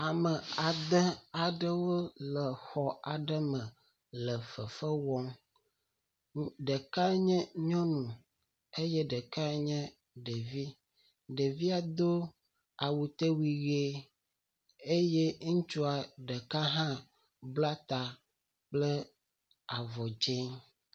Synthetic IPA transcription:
a˨mə˨a˨d̪ə˦a˨ɖə˦wo˦lə˨xɔ˨a˨ɖə˦mə̃˨ | lə˨fə˨fə˦wɔ˦ŋ | ɖə˨ka˦ɲɛ̃˦ɲɔ̃˦nũ˨ | e˦jɛ˦ɖə˨ka˦ɲɛ̃˦ | ɖe˨vi˦ | ɖe˨vi˦a˨d̪o˦ | a˨wu˨t̪e˦wi˨ɣe˦ | e˦je˦ŋ̩̃˦t͡ʃu˦a˨ɖə˨ka˦ɦã˦ | bla˦t̪a˨ | k͡plə˦ | a˨vɔ˨d͡ʒe˦ŋ

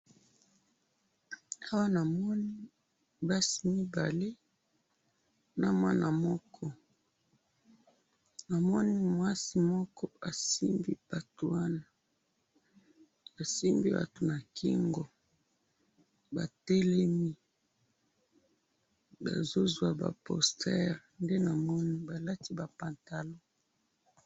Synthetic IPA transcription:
a˦wa˦na˨mɔ˦ni˦ | ba˦si˨mi˦ba˨le˦ | na˨mwa˦na˨mɔ˦kʰɔ˦ | na˨mɔ˦ni˦mwa˦si˦mɔ˦kʰɔ˦a˨si˦mbḭ˦b̥a˨to˨wa˦na˨ | a˨si˦mbi˦ba̰˨to˨na˨kʰḭ˦ŋɡɔ˨ | ba̰˨te˦le˦mi˦ | ba̰˨zo˦zwa˨ba̰˨pɔ̰˨stɛ˦ʁnde˦na˨mɔ˦ni˦ba˨la˦ti˦ba˨pa˨nta˨lo˦

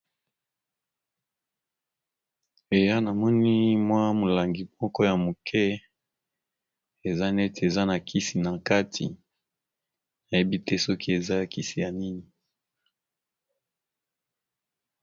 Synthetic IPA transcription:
e˨ja˦na˨mɔ˦ni˦mwa˦mo˨la˨ŋɡi˨mɔ˦kɔ˦ja˨mo˨kʰɛ˦ | e˨za˦nɛ˦te˨za˦na˨kʰi˦si˨na˨ka˦tʰḭ˨ | na˨je˦bi˦tɛ˦sɔ˦kʰi˦e˨za˦˨ki˦si˨ja˨ni˦ni˨

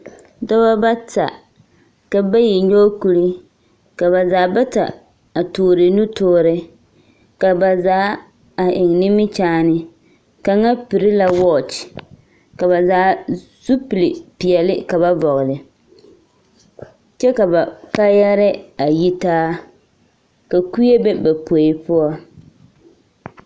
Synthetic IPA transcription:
dɔ˦ba˦ba˦ta̰˨ | ka˨ba˦ji˨ɲo˦ku˨ɾi˦ | ka˨ba˨zaː˨˦ba˦ta̰˨ | a˨toː˨ɾɪ˨nu˦toː˦ɾɪ˦ | ka˨ba˨zaː˨˦ | a˨ʔɪ˨ŋnɪ˦mɪ˦t͡ʃaː˦nɪ˦ | ka˨ŋa˦pi˨ɾɪ˦la˦wɔ˦t͡ʃ | ka˨ba˨zaː˨˦ | z̥u˦pi˨lɪ˨pɪ˨ɛ˨lɪ˦ka˨ba˦vɔ˨ɣɪ˨lɪ˨ | t͡ʃɛ˦ka˨ba˨ka˦jɛ˦ɾɪ˦a˨ji˦taː˦ | ka˨ku˦e˦be˦ba˨po˨ɪ˨pʊ˦ɔ˦

